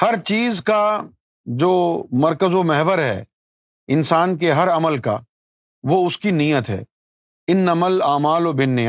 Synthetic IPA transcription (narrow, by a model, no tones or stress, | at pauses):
hɐɾt͡ʃiːzka | d͡ʒoːmɐɾkəzomɛɦʋəɾɦɛ̰ː | ɪnsaːnk̬eɦɐɾɐməlka̰ | ʋoʊskinijət̪ɦɛ̰ː | ɪnːɐməlaːmaːlobɪnːe